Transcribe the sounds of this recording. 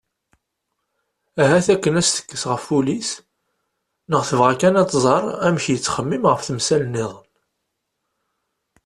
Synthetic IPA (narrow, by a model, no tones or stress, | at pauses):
æɦæθækːənæst̪ə̥kːəsʁəfːulis | nəʁθəvʁækænɑt̪ːˤzˤɑɾˤæmçjət͡sːχəmːimʁəfθəmsælənːiðˤən